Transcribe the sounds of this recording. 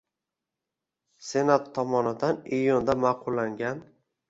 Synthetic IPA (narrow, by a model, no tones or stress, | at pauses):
se̞nat̪ʰːɒmɒnɪd̪anijʊnd̪amaqʰʊlˠːaŋɡʲan